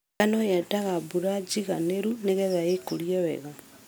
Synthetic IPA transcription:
anojataɣabuɾad͡ʒiɣaneɾuneɣeðaɣekuljɔβɛ̰ɣa

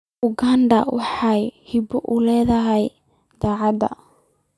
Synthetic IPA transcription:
ʔʊɡandɐ̰wɑħɑjhɪbɔʔʊlɛːðɐɦɛj | d̪̥aːʕɑd̪ɐ̰

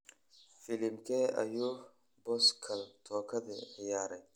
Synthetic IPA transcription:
filimkeɐ̰ju | boskʰɐlt̪ʰoːkʰɐd̪ḛjaːɾɐ

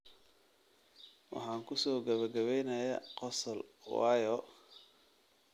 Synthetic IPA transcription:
wɑ̰ħɑːŋkʰʊsɔːɡɐβɐɡɐβɛjnɐjɐqɔsɐlwɑːjɔ

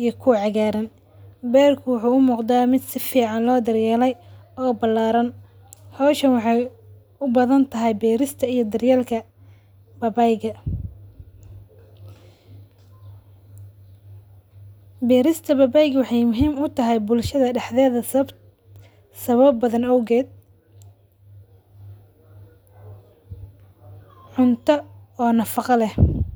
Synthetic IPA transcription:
ijɔkʰʊʕɑɣaːɾɐn | bɛːrkʰʊwʊħuːʊmuːqd̪aːmɪd̪sɪfiːʕɑnlɔːd̪ɐrjɛːlɛj | ɔːbɐlːaːɾɐn | hɔːʃɐnwɑħɑj | ʊbɐðɐnt̪ʰɐɦɛjbɛːɾɪst̪ʰɐijɐd̪ɐrjɛːlkʰɐ | bɐbajɣɐ | bɛːɾɪst̪ʰɐbɐbɐjɡwɑħɑjmʊɦiːmʊt̪ʰɐɦɛjbʊlʃɐðɐɖɛħðɛːðɐ | sɐβɐbːɐðɐnɔwɣɛːd̪̚ | ʕʊnt̪ʰɐɔːnɐfɑqɑlɛh

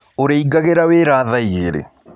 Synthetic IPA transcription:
oɾeiɡaɣeɾaweɾaːðaieɾḛ

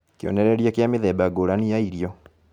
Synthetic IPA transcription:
keo̰nɛɾɛɾiakjameðɛbaɡoɾanijaiɾiɔ

